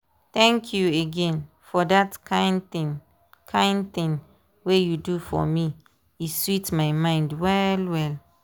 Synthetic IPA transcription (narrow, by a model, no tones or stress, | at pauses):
t̪ɛ̃ŋkʰjueɡɛ̃n | fɔdatãɪ̃ntĩn | kʰãɪ̃ndt̪ĩn | wejudufɔ̰mi | iswitmaɪmãɪ̃ndwɛlwɛl